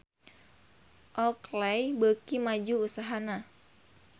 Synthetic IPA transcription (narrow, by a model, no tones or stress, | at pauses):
ʔɔklɛjbəkimad͡ʒuːsaɦana